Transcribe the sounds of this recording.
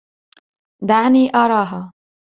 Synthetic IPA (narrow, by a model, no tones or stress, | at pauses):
d̪aniʔaɾaɦɐ